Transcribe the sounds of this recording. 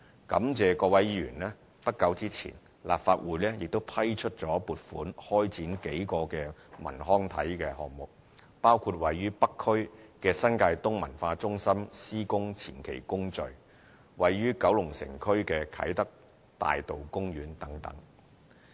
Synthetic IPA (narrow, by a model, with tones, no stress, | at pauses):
kɐ˨˥mt͡sɛː˨kɔː˧wɐ˨˥jjyː˨˩nlɛː˥ | pɐ˥t̚kːɐ˨˥wt͡siː˥t͡sʰḭː˨˩n | la̰ː˨p̚faː˧t̚wuː˨˩jlɛː˥jɪ˨k̚t̪o˥wpʰɐ˥jt͡ʃʰɵ˥t̚t͡sɔː˨˥puː˨t̚fuː˨˥nhɔː˥jt͡siː˨˥nke˨˥jkɔː˧kɛː˧mɐ̰˨˩nɦɔː˥ŋt̪ʰɐ˨˥jkɛː˧hɔ̰ː˨˩kmʊ˨k̚ | paː˥wkʰu˧t̚wɐ˨jːyː˥pɐ˥kʰːɵ˥ɥkɛː˧sɐ˥nkaː˧jt̪ʊ˥ŋmɐ̰˨˩nfaː˧t͡sʊ˥ŋsɐ˥msiː˥kʊ˥ŋt͡sʰḭː˨˩nkʰe˨˩jkʊ˥ŋt͡sɵ˨ɥ | wɐ˨jːyː˥kɐ˨˥wlʊ˨˩ŋsɪ̰˨˩ŋkʰɵ˥ɥkɛː˧kʰɐ̰˨˥jt̪ɐ˥k̚ | t̪a̰ː˨jt̪o˨wkʊ˥ŋɥyː˨˥nt̪ɐ˨˥ŋt̪ɐ̰˨˥ŋ